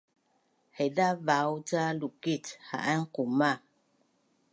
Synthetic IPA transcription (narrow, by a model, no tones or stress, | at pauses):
hɛdavawt͡salukitha̰ʔaŋ̩kuma